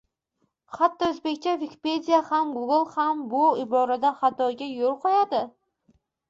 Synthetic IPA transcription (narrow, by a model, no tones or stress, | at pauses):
χat̪ːɒɵzbe̞kʲt͡ʃʰavikʲʰi̥pe̞d̪ijahamɡʊɡɨlˠhambʊɪbɒɾad̪aχat̪ʰɒjɡʲajolˠqʰɒjad̪ɪ